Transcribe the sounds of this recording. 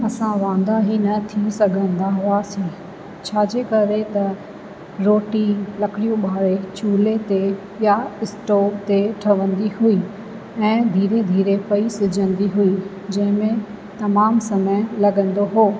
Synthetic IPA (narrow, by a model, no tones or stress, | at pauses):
ɐsãʋãːn̆d̪aɦinɐt̪ʰĩsɐɡʱə̃nd̪aɦʊasĩ | t͡ɕʰaːd͡ʑeːkɐɾet̪ɐ | ɾoːʈilɐkʰɪɽijũɓaːɽet͡ɕuːlet̪e | jaɪsʈoːb̚t̪eʈʰɐʋə̃nd̪iɦui | ɛ̃ːd̪ʱiːɾed̪ʱiːɾepɐisɪd͡ʑʱə̃nd̪iɦui | d͡ʑɐ̃ɦɪ̃mẽ | t̪ɐmaːmsɐməjlɐɡə̃nd̪oɦoː